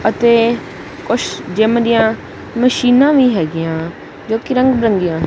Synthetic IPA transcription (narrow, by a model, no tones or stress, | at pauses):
ət̪eː | kʊt͡ʃʰd͡ʒeːmd̪ɪjãː | məʃiːnãːʋiːɦɛːɡɪjãː | d͡ʒoːkiɾə̃ŋɡbɾə̃ŋɡɪjãː